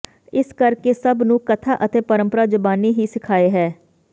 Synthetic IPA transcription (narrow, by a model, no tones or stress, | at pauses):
ɪskəɾkesəbnũːkət̪ʰaːʔət̪eːpəɾə̃mpəɾaːd͡ʒəbaːniːɦiːsɪkʰaːeːɦɛː